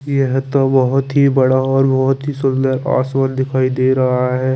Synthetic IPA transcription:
jɛɦt̪obɐɦʊt̪ɦibɐɽaɔːɾbɐɦʊt̪ɦisʊld̪əɾa̰ːswənd̪ɪkʰaːid̪eːɾɐɦaɦɛː

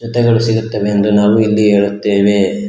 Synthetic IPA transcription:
d͡ʒɔt̪ɛɡɐɭusiɡut̪ːɐʋeɐnd̪ɾenaːʋuilːiɦeːɭut̪ːeːʋe̞

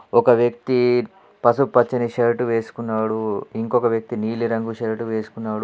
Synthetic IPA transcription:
ɔkɐʋjɐk̚t̪i | pɐsupːɐt͡ʃːiniʃeɾʈuʋeːsu̥kunːaːɽuiŋkɔkɐʋjɐk̚t̪iniːliɾɐŋɡuʃeɾʈuʋeːsu̥kunːaːɽu

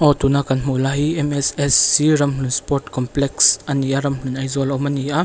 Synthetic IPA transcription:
ʔɔt̪unakɐnmulaɦiɛmɛsɛsːiɾɐmlunspɔrtkɔmplɛksɐniʔaɾɐmlunɐjzɔlɔwmɐniʔa

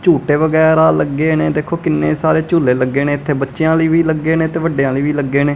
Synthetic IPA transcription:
t͡ʃuːʈeːʋəɡɛːɾaːləɡːeːneːd̪eːkʰoːkɪnːeːsaːɾeːt͡ʃuːleːləɡːeːneːɪt̪ʰːeːbətːʃjãːləiːʋiːləɡːeːnẽːt̪eːʋəɖːejãːliːʋiːləɡːeːneː

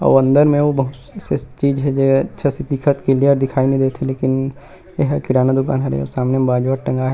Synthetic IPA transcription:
ɔ̰ːʋɐ̃nd̪əɾmẽʋobɐɦʊt̪ | set͡ʃiːd͡ʒɦɛd͡ʒeːɐtːʃʰasit̪ikʰət̪keliəɾd̪ɪkʰaːinɐɦĩd̪eːt̪ʰeleːkɪn | eɦkɪɾaːnad̪ʊka̰ːnɦɛɾ̰ɔ̰saːmnemẽbaːd͡ʒʋaɾʈɐ̃ŋɡaɦɛ

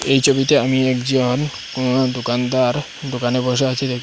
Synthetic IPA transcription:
ejt͡ɕʰobit̪eamiɛkd͡ʑon | d̪okand̪aɾ | d̪okaneɾboʃ̬eat͡ɕʰid̪ekʰ

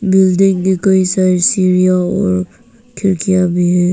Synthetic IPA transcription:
bɪldɪŋkikoisasiɾijaɔ̰ːɾ | kʰɪɾkijabiɦɛ

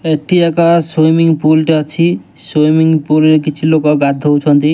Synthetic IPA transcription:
eʈʰiɛkɔsojmiŋpulʈiɔt͡ʃʰi | sojmiŋpuleɾkit͡ʃʰilokɔɡad̪ʱowt͡ʃʰɔnt̪i

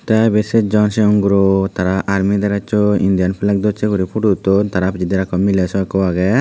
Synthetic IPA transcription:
t̪abesɛd͡ʒɔnsɛɔŋɡuɾɔt̪aɾaʔaɾmid̪ɛɾat͡ʃɔḭnd̪ijanpʰilak̚d̪ɔt͡ʃɛɡɔɾipʰuʈut̪ɔt̪aɾapd͡ʒid̪iɾakɔmːilesɔakɔaɡɛ

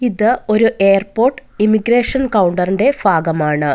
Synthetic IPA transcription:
iðɨo̞ɾuʔe̞ːɐrpo̞ːrʈːɨimiɡɾe̞ːʂɐnkɐwuɳɖɐrinɖe̞baːɡɐmaːɳɨ

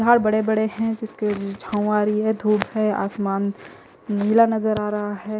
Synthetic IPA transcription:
aːɾbɐɽebɐɽeɦɛ̃d͡ʒɪsked͡ʒd͡ʒʱãːʊaːɾiɦɛd̪ʱuːbɦɛːa̰ːsmaːn | milanɐzəɾaːɾɐɦaɦɛː

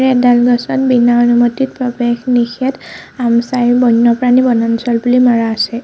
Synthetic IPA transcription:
ɹɛdalɡɔsɔnbinaonumotit̚pɹɔbexnixɛtamsajbɔnːɔpɹanibɔnansɔlbulimaɹaːsɛ

